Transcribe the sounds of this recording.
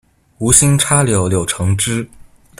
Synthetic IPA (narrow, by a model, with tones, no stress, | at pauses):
u˧˥ɕi˥ŋʈ͡ʂʰa˥ljo˧˥˩ʊljo˨˩ʊʈ͡ʂʰɤ˧˥ŋʈ͡ʂɻ̩˥